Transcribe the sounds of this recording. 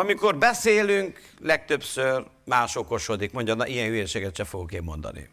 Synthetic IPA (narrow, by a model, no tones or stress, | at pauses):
ɒmiko̞rbɛseːlyŋk | lɛk̚t̪øpsør | maːʃoko̞ʃod̪ikmo̞ɲɟɒnːɑʔijɛnhyeʃeːɡɛt̪ʃɛfoɡukeːmːo̞nd̪ɒ̰nḭ